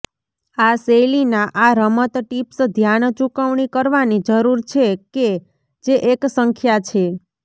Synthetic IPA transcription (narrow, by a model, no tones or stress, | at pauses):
aselinaʔaɾəmət̪ʈipsd̪ʱjant͡ʃukəʋɳikəɾʋanid͡ʒəɾuɾt͡ʃʰeke | d͡ʒeʔeksəŋkʰjat͡ʃʰe